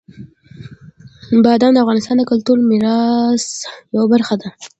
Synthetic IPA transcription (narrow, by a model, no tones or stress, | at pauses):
bɑd̪ɑnd̪əafɣɑnɪst̪ɑnd̪əkʊlt̪uɾmɪɾɑsjawabaɾxad̪a